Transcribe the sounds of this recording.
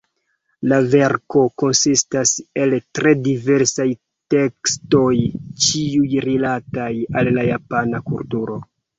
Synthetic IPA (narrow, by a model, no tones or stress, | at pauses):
lave̞ɾko̞ko̞nsistase̞ltɾe̞dive̞ɾsaj | te̞ksto̞jt͡ʃiujɾilatajalːajapanakultuɾo̞